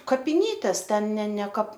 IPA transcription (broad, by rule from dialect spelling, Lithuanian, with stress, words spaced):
kɐpʲɪˈnʲiːtʲeːs ˈtʲɛn nʲɛ nʲɛ kɐp